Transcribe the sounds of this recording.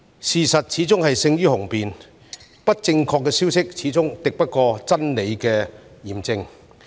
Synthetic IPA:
siː˨˩sɐ˨t̚t͡sʰiː˨˥t͡sʊ˥ŋhɐ˨jsɪ˧ŋjyː˥hʊ˨˩ŋpiː˨n | pɐ˥t̚t͡sɪ˧ŋkʰɔː˧kːɛː˧siː˥wsɪ˥k̚t͡sʰiː˨˥t͡sʊ˥ŋt̪ɪ˨k̚pɐ˥t̚kɔː˧t͡sɐ˥nle˨˧jkɛː˧jiː˨˩mt͡sɪ˧ŋ

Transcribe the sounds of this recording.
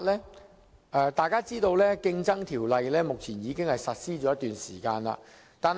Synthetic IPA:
lɛː˥ | ʔɛː˧t̪aː˨˧jkaː˥t͡siː˥t̪o˧wlɛː˥kɪ˧ŋt͡sɐ˥ŋt̪ʰiː˨˩wlɐ˨˧jlɛː˥mʊ˨k̚t͡sʰiː˨˩njiː˨˧kɪ˥ŋhɐ˨jsɐ˨t̚siː˥t͡ʃɔː˨˦jɐ˥t̪yː˨nsiː˨˩kaː˧nla̰ː˧ | t̪aː˨n

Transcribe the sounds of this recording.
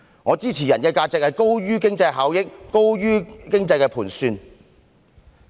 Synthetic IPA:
ŋɔː˨˧t͡siː˥t͡sʰiː˨˩jɐ˨˩nkɛː˧kaː˧t͡sɪ˨k̚hɐ˨jko˥wɥyː˥k̬ɪ˥ŋt͡sɐ˧jɦaː˨˥wjɪ˥k̚ko˥wjyː˥kɪ˥ŋt͡sɐ˧jkɛː˧pʰuː˨˩nsyː˧n

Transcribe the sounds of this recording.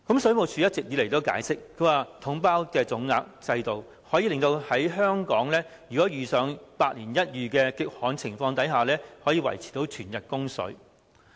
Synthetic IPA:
kɐ˨˥msɵ˨˥ɥmo˨˧wt͡sʰyː˨jɐ˥t̚t͡sɪ˨k̚jiː˨˧le˨˩jt̪o˥wka̰ː˨˥jsɪ˥k̚ʰɵ˨˧ɥwaː˨˩t̪ʰʊ˨˥ŋpaː˥wkɛː˧t͡sʊ˨˥ŋːaː˧k̚t͡sɐ˧jt̪o˨w | hɔː˨˥jiː˨˧lɪ˨ŋt̪o˧whɐ˨˥jɦœː˥ŋkɔː˨˥ŋlɛː˥jyː˨kɔː˨˥jyː˨sœː˨ŋpaː˧t̚liː˨˩njɐ˥t̚jyː˨kɛː˧kɪ˧k̚hɔː˨˥nt͡sʰɪ˨˩ŋfɔː˧ŋt̪ɐ˨˥jɦaː˨˩lɛː˥hɔː˨˥jiː˧wɐ̰˨˩jt͡sʰi̥˨˩t̪o˨˥wt͡ʃʰyː˨˩njɐ˨t̚kʊ˥ŋsɵ̰˨˥ɥ

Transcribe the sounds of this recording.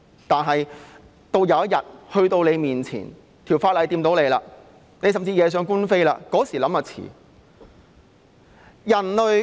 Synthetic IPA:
t̪aː˨nɦɐ˨j | t̪o˧wjɐ˨˧wɐ˥t̚jɐ˨t̚hɵ˧ɥt̪o˧wle˨˧jmiː˨˩nt͡sʰḭː˨˩n | t̪ʰiː˨˩wfaː˧tlɐ˨˧jt̪iː˧mt̪o˨˥wle˨˧jlaː˧ | ne˨˧js̬ɐ˨˩mt͡siː˧jɛː˨˧s̬œː˨˧˥ŋkuː˥nfe˥jla̰ː˧kɔː˨˥siː˨˩lɐ˨˥maː˧˩t͡sʰḭː˨˩ | jɐ˨˩nlɵ˨

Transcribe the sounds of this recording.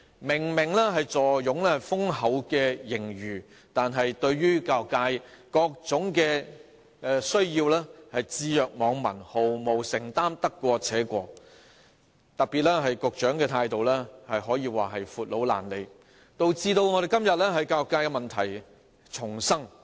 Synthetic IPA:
mɪ˨˩ŋmɪ˨˩ŋlɛː˥ɦɐ˨jt͡sɔː˨˩jjʊ˨˥ŋlɛː˥ɐ˨fʊ˥ŋhɐ˨˧˥wkɛː˧jɪ˨˩ŋɥyː˨˩ | t̪aː˨nɦɐ˨jt̪ɵ˧ɥɥyː˥kaː˧kaː˧jkɔː˧k̚t͡sʊ˨˥ŋkɛː˧ | sɵ˥ɥjiː˧wlɛː˥hɐ˨jt͡siː˧jœː˨k̚mɔː˨˧ŋmɐ̰˨˩nho˨wmo˨wsɪ˨˩ŋt̪aː˥mt̪ɐ˥kːʷɔː˧t͡sʰɛː˨˥kʷɔː˧ | t̪ɐ˨k̚pi˨t̚lɛː˥ɦɐ˨jkʊ˨k̚t͡ʃœː˨˥ŋkɛː˧t̪ʰaː˧jt̪o˨wlɛː˥hɐ˨jɦɔː˨˥jiː˧waː˨ɦɐ˨jfuː˨t̚lo˨˥wla̰ː˨˩nle˨˧j | t̪o˨˧wt͡siː˧t̪o˧wŋɔː˨˧ɾe˨jkɐ˥mjɐ˨t̚lɛː˥ɦɐ˨jkaː˧kːaː˧jkɛ˧mɐ˨nt̪ʰɐ˨˩j | t͡sʰʊ˨˩ŋsɐ˥ŋ

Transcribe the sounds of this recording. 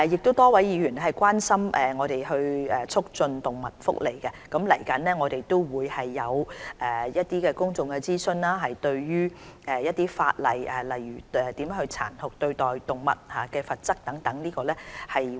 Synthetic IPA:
jɪ˨k̚t̪o˥wt̪ɔː˥wɐ˨˥jiː˨˧ɥyː˨˩nɛ˥ɦɐ˨jkwaː˥nsɐ˥mʔɛː˨ŋɔː˨˧ɾe˨˩jɵ˧ɥɛ˨t͡sʰʊ˥k̚t͡sɵ˧nt̪ʊ˨ŋmɐ˨t̚fʊ̰˥k̚le˨˩jkɛ˧kɐ˨˥mlɐ˨˩jkɐ˨˥nlɛː˥ŋɔː˨˧ɾe˨jt̪o˥wwuː˨˧jhɐ˨jːɐ˨˧wʔɛ˨jɐ˥t̚t̪iː˥kɛː˧kʊ˥ŋt͡sʊ˨ŋkɛ˧t͡siː˥sɵ˧nlaː˥ɦɐ˨jt̪ɵ˧ɥjyː˥ɛː˨˩jɐ˥t̪ːiː˥fa̰ː˧t̚lɐ̰˨˩jɛ˨lɐ˨jjyː˨˩ɛ˨t̪iː˨˥mjɛ˨˦˥hɵ˧ɥt͡sʰa̰ː˨˩nhʊ˨k̚t̪ɵ˧ɥt̪ɔː˨˩jt̪ʊ˨ŋmɐ̰˨t̚haː˨˩kɛː˧fɐ˨t̚t͡sɐ˥k̚t̪ɐ˨˥ŋt̪ɐ˨˥ŋniː˥kɔː˧lɛ˥hɐ˨j

